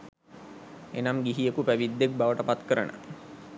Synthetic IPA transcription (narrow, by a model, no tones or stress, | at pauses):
ḛnamɡiɦijekupæʋid̪ːek̚baʋəʈəpat̪kəɾənʔə̰